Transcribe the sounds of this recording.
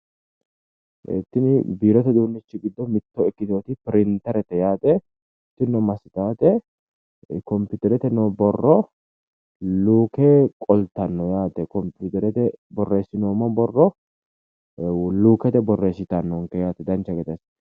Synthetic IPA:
ɛ̰t̪ːɪnɪbiːɾɔt̪ɛd̪uːnːɪt͡ʃːɪɡɪd̪ːɔmɪt̪ːɔɪkːɪt̪oːt̪ɪpɪɾɪnt̪ɐɾɛt̪ːɛjaːt̪ɛ | t̪ːɪnːɔmɐsɪt̪aːt̪ɛ | kɔmpʊːt̪ɛɾɛt̪ɛnɔbɔrːɔ | luːkeːkʼɔlt̪ːɐnːɔjaːt̪ɛkɔmpuːt̪ɛɾɛt̪ɛbɔrːeːsːɪnoːmːɔbɔrːɔ | luːkɛt̪ɛbɔrːeːsːɪt̪ɐnːɔŋkɛjaːt̪ɛd̪ɐnt͡ʃːɐɡɛt̪ɐs

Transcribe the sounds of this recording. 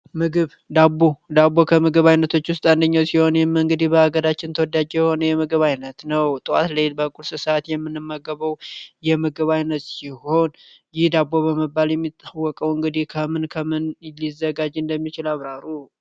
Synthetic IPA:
mɨɡɨβ | d̪abod̪abːo̞kʰəmɨɡɨβajnət̪ʰo̞t͡ʃːwʊst̪ʼand̪əɲːawsiho̞njɛmɨŋɡɨd̪ihbəhaɡəɾat͡ʃːɪnt̪ʰəwɔd̪ad͡ʒɛjɛho̞nəjɛmɨɡɨβajnət̪nəwt̪ʼɨwa̰t̪lelbəkʼulsɨsat̪jɛmːɨnːɨmːəɡəβəwjɛmɨɡɨβajnət̪siho̞n | jɪhd̪abːo̞βəməbaljɛmːit̪ʼːawːɔkʼəwɨŋɡɨd̪ihkʰəmɨnkʰəmɨnlizːəɡad͡ʒɨnd̪əmːit͡ʃɪlaβɾaɾu

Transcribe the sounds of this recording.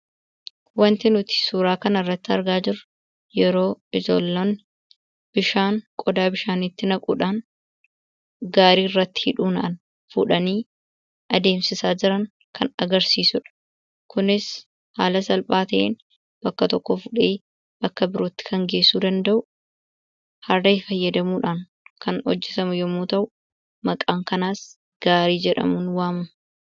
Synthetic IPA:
wɐnt̪ɪnʊt̪ɪ̥suːɾaːkɐnɐrːɐt̪ːɪɐɾɡaːd͡ʒɪɾʊ | jɛɾo̞ːɪzoːlːoːn | b̥ɪʃaːŋkʼɔd̪aːbɪʃaːnɪt̪ːɪnɐkʼṵᶑaːn | ɡaːɾiːɪrːɐt̪ːɪ̥hɪᶑuːnɐʔɐn | fʊᶑɐniː | ʔɐd̪e̞ːmsɪsaːd͡ʒɪɾɐŋ | kʰɐnɐɡɐɾsiːsʊᶑɐ̥ | kʊnɪs | haːlɐsɐlpʼaːt̪ɐʔeːn | b̥ɐkːɐt̪ɔkːofʊᶑeː | b̥ɐkːɐbɪɾoːt̪ːɪ̥kʰɐŋɡe̞ːsːuːd̪ɐnd̪ɐʔʊ | hɐɾdɐɪfɐjːɐd̪ɐmuːᶑaːn | kʰɐnhɔ̰d͡ʒːɛt̪ɐmʊjɔmːuːt̪ɐʔʊ | mɐkʼaːŋkɐnaːs | ɡ̥aːɾiːd͡ʒɛᶑɐ̰mʊnwaːmɐn

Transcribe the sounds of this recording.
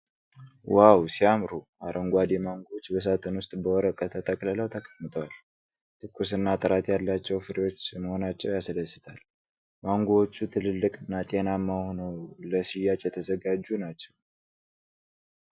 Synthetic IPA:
wawsiamɾuʔaɾʔəŋɡʷad̪emaŋɡoot͡ʃːbəs̬at̪ʰənwʊst̪ʼbəwɔɾəkʼət̪ʰət̪ʼəkʼlələwt̪ʰəkʼəmːɨt̪ʼwal | t̪ʰɨkʼːusɨnːat̪ʼɨɾat̪jalːat͡ʃːɛwfɨɾewo̞t͡ʃːməho̞nat͡ʃːɛwjasd̪əsːɨt̪ʰal | maŋɡoot͡ʃːut̪ʰɨlɨlːɨkʼɨnːat̪ʼe̞namːahonəwləsijːat͡ʃʼjɛt̪ʰəzəɡad͡ʒːunat͡ʃːɛw

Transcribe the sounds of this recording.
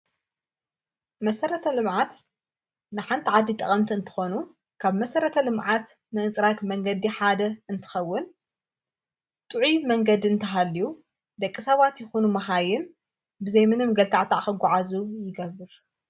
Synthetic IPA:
mɐsɐɾɐt̪ʰɐlɨmʕat̪ | nɨħant̪ʰiʕad̪ːit̪ʼɐχʼɐmt̪ʰiɨnt̪ʰɨ̥xo̞nu | kʰaβmɐsɐɾɐt̪ʰɐlɨmʕat̪ | mɐt͡sʼɾak̪mɐŋɡɐd̪iħad̪ɐɨnt̪ʰɨ̥xɐwːʊn | t̪ʼɨʕimɐŋɡɐd̪iɨnt̪ʰɐɦalːiju | d̪ɐkʼːisɐβat̪jɪxonumɐxajɪn | bɨzɐjmɨnɨmɡɐlt̪ʰaʕt̪ʰaʕxɨɡʷɔʕazujɪɡɐβɨɾ

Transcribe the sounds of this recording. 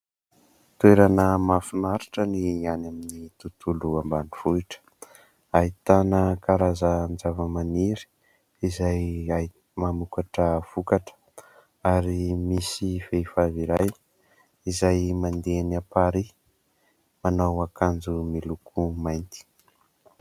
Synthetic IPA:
t̪weɾanəmafinaɾi̥ʈ͡ʂənianaminit̪ut̪uluambaniv̥uiʈ͡ʂə̥ | ait̪anəkaɾazənd͡ʒavəmaniɾi̥ | izaja | mamukaʈ͡ʂəv̥ukaʈ͡ʂə̥ | aɾimisivefaviɾaj | izajmand̪enapaɾi | manawakand͡zumilukʰumajnt̪i̥

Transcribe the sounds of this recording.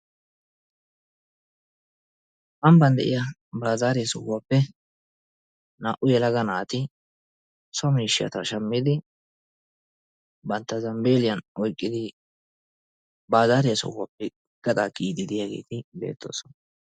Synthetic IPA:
ʔɐmbɐnd̪ɛʔɪjɐbaːzaːɾɪjsɔwaːpːɛ | na̰ːʔʊjɛlɐɡɐnaːt̪ɪ | sɔmiːʃɪjɐ̰t̪ɐ̰ʃɐmːɪd̪ɪ | bɐnt̪ːɐzɐmbeːlɪjɐnɔjkʼːɪd̪ɪ | baːzaːɾɪjɐsɔ̰wapːɛ | ɡ̥ɐt̪ʼakʼiːd̪ɪd̪ɪjaɡḛːt̪ɪbe̞̰ːt̪ːo̞̰ːsɔn

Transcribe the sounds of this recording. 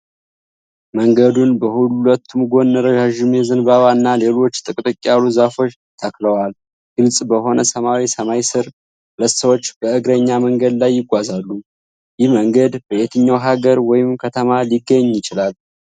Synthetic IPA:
məŋɡəd̪unbəhulət̪ʰːumɡo̞nːəɾəɡaʒumjɛzɨnbaβanːale̞lo̞t͡ʃːt̪ʼɨkʼt̪ʼɨkʼːaluzafo̞t͡ʃ | t̪ʰəkləwal | ɡ̥ɨlsʼbəɦo̞nəsəmawisəmajsɨɾ | hlət̪səwo̞t͡ʃːbəɨɡɾəɲːaməŋɡəd̪lajːɪɡʷazalːu | jɪhməŋɡəd̪bəjet̪ʰɨɲːawɦaɡəɾwɔjɪmkʰət̪ʰəmaliɡːəɲːjɪt͡ʃɪlal

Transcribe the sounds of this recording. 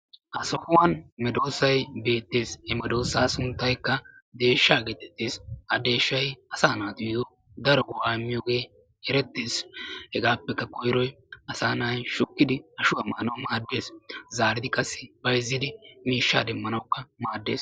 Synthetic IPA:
hɐsɔhʊwɐnmɛd̪o̞ːsːɐjbe̞ːt̪ːeːshɛmɛd̪o̞ːsːaːsʊnt̪ːɐjkːɐ | d̪e̞ːʃːaːɡet̪ːɛ̥t̪ːeːsɐd̪e̞ːʃːɐjɐsaːnaːd̪ʊjd̪ɔ | d̪ɐɾɔɡʊwaːɪmːɪjoːɡe̞ː | hɛɾɛt̪ːeːshɛɡaːpːɛkːɐkɔjɾɔj | ɐsaːnaːjʃʊkːɪd̪ɪɐʃʊwɐmːɐːnɐwmaːd̪ːe̞ːszaːɾɪd̪ɪkʼɐsːɪbɐjzːɪd̪ɪmiːʃːa̰ːd̪ɛmːɐnɐwkːɐmaːd̪ːe̞ːs

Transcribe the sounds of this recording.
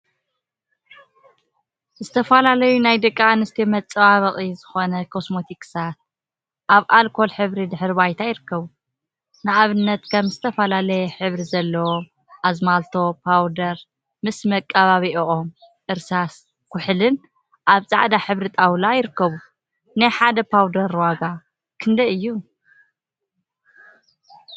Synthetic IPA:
zɨt̪ʰɐfɐlalɐjunajd̪ɨkʼːaanɨst̪ʰimɐt͡sʼɨβaβɐχʼizɨxo̞nɐkʰo̞smo̞t̪ʰikʼsat̪̚ | ʔaβʔalkʰo̞lħɨβɾid̪ɨħɨɾβajt̪ʰajɪɾɨkːɐβu | nɨʔaβɨnːɐt̪kʰɐmzɨt̪ʰɐfɐlalɐjɛħɨβɾizɐlːɐwo | ʔazmalt̪ʰo̞pʰawd̪ɐɾ | mɨsmɐkʼːɐβaβiʔʔom | ʔɨɾsas | kʰʊħlɨn | ʔaβt͡sʼaʕd̪aħɨβɾit̪ʼawlajɪɾɨkːɐβu | najħad̪ɐpʰawd̪ɐɾwaɡa | kʰɨnd̪ɐɨjːu

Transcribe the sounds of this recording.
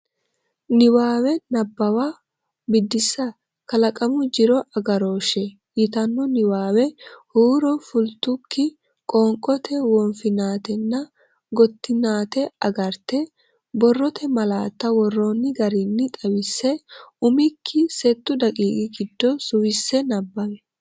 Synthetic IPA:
nɪwaːwɛnɐbːɐwa | bɪd̪ːɪsːɐ | kɐlɐkʼɐmʊd͡ʒɪɾɔʔɐɡɐɾo̞ːʃɛ | jɪt̪ɐnːɔnɪwaːwɛhuːɾɔfʊlt̪ʊkːɪ | kʼɔːŋkʼɔt̪ʰɛwɔnfɪnaːt̪ɛnːɐ | ɡɔt̪ːɪnaːt̪ɛɐɡɐɾt̪ɛ | bɔrːɔt̪ʰɛmɐlaːt̪ːɐwɔrːoːnːɪɡɐɾinːɪt̪ʼɐwɪsːɛʊmɪkʰːɪsɛt̪ːʊd̪ɐkʼiːkʼɪɡɪd̪ːɔsʊwɪsːɛnɐbːɐmɛ

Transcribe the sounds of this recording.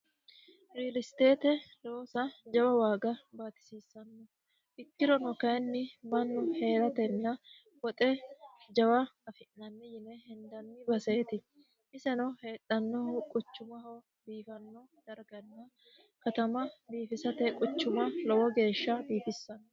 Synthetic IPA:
ɾiːlɪst̪e̞ːt̪ɛlowːsɐd͡ʒɐwɐwaːɡɐbaːt̪ɪ̥siːsːɐnːɔ | ʔɪkːɪɾɔnɔkɐjnːɪmɐnːʊhe̞ːɾɐt̪ɛnːɐ | wɔt̪ʼɛd͡ʒɐwɐɐfɪʔnɐnːɪjɪnɛhɛnd̪ɐnːɪbɐse̞ːt̪ɪ | ʔɪsɛnɔhe̞ːᶑɐnːɔkʼʊt͡ʃːʊmɐɦɔw | biːfɐnːɔ | d̪̥ɐɾɡɐnːɐ | kɐt̪ɐmɐbiːfɪsɐt̪ɛkʼʊt͡ʃːʊmɐlɔwɔɡe̞ːʃːɐbiːfɪsːɐnːɔ

